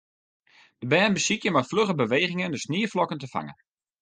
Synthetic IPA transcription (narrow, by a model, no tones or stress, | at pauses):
d̥əbɛːnbəsikjəmafløχəbəʋeːχɪŋəndəsniːəflɔkəntəfa̰ŋə̰n